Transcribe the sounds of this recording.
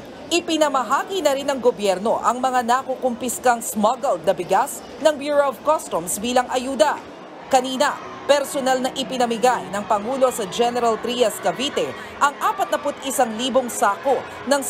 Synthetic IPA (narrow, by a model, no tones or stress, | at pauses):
ʔɪpɪnɐmɐɦaːkinɐɾɪnɐŋɡobjɛɾno̞ʔɐŋmɐŋanakokʊmpɪskaŋsmaɡɐld̪̚nɐbɪɡas | nɐŋbjuːɹoɐvkost̪omsbiːlɐŋʔɐjuːd̪ɐ | kɐniːnɐ | pɛɾsonalnɐʔɪpɪnɐmɪɡajnɐŋpɐŋuːlo̞sɐd͡ʒɛnɛɾɐlt̪ɾiɐskɐbiːt̪ɛ | ʔɐŋʔaːpɐt̪̚nɐpʊt̪ʔɪsaŋliːboŋsaːko | nɐŋ